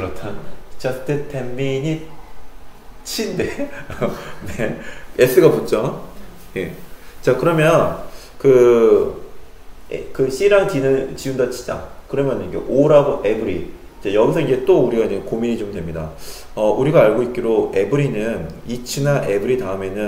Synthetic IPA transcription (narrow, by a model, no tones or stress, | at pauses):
kɯɾʌtʰant͡ɕat͈etemːiɲi | t͡ɕʰinde | nees͈ʰɯɡaput͡ɕ͈ʌ | je̞̰t͡ɕakɯɾʌmjʌn | kɯ | kɯɕʰiɾaŋt͡ɕinɯt͡ɕiundat͡ɕʰi̥d͡ʑa̰kɯɾʌmjʌnɲiɡḛʔoɾabʔe̞bɯɾḭ | t͡ɕajʌɡis̬ʰʌŋid͡ʑet͈ouɾiɡaiɲekomiɲit͡ɕomdwe̞mɲida | ʌuɾiɡaːɭɡoit̚k͈iɾoʔe̞bɯɾinɯn | it͡ɕʰɯnaʔe̞bɯɾitaɯme̞nɯn